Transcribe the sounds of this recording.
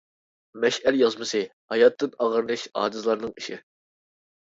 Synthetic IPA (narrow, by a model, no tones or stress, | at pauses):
mɛʃæljɑzmɨsɨhɑjɑt̪ʰːɨnɑʁəɾnˠɨʃɑ̰ːd̪ɨzlˠɑɾnɨŋiʃɪ̰